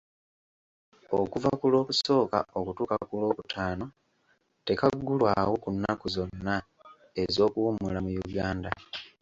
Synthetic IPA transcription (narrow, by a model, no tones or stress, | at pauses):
okuvakulo̞ːkuso̞ːka̰o̞kutuːkakulo̞ːkutʰaːno̞ | te̞kaɡːulwawokunːa̰kuzo̞nːa | e̞zo̞ːkuwumulamujuɡaːnda